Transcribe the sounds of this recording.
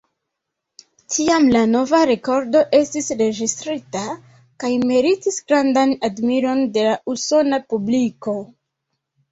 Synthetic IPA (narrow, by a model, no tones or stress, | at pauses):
tʰiamlano̞vaɾe̞ko̞ɾdo̞ʔe̞stisɾe̞d͡ʒistɾita | kajme̞ɾitisɡɾandanadmiɾo̞nde̞lauso̞napubliko̞